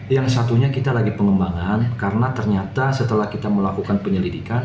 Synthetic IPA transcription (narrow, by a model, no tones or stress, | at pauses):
jaŋsat̪uɲakit̪alaɡipəŋəmbaŋankaɾənat̪ərɲat̪asət̪əlahkit̪aməlakukanpəɲəlidikan